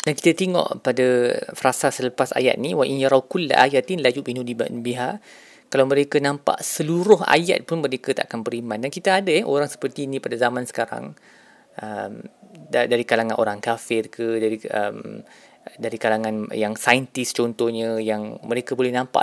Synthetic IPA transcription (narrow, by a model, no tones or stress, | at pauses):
d̥anki̥t̪at̪eŋɔ̰ʔpadafəɾasasələpasa̰ja̰t̪̚niwaʔinjaɾɑwkul̰ːʔa̰jat̪ɪnlajuʔminuliba̰ʔnbiɦa | kalawmə̃ɾekanãmpa̰ʔsəluɾʊɦa̰ja̰t̪̚pʊnmə̃ɾekat̪a̰ʔakanpəɾimãndankit̪aadajɛʔoɾaŋsə̥pərt̪iːnĩpadazamãnsə̥kaɾa̰ŋ | ʔəmddaɾikalaŋãnʔo̰ɾaŋkafɪrkʰədaɾiə̰m | daɾikalaŋãnjaŋsajənt̪ɪst͡ʃɔnt̪ɔhɲə̃jaŋmə̃ɾekabolɛhnãmpa̰